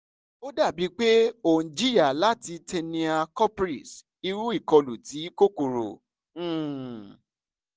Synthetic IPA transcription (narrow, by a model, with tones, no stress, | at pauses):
o˦da˦˨bi˨˦k͡pe˦õ˦˨d͡ʒi˦i˦a˦˨la˦ti˧te˧nĩ˧a˧kɔ˦pɾi˨s | i˧ɾu˦i˦˨kɔ˧lu˨ti˨˦ko˦ko˨ɾõ̰˨˦˨